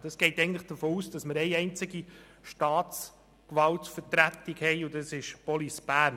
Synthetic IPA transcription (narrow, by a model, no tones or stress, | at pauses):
d̥ɑsɡ̥ɛɪtɛɪɡən̩tlɪχd̥əfoːuːsd̥ɑsməɾɛɪɛɪnt͡sɪɡi | ʃtɑːtt͡s | kʋɑltfətɾæt̪ikhɛɪʊdɑsɪʃpɔlisb̥æːɾn